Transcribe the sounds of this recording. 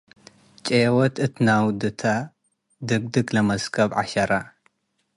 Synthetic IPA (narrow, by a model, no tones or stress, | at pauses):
t͡ʃʼewɔt̪ɨt̪ʰɨnawd̪ɨt̪ʰa | d̪ɨɡd̪ɨkʼlɐmɐzkʰɐβʕa̰ʃɐɾa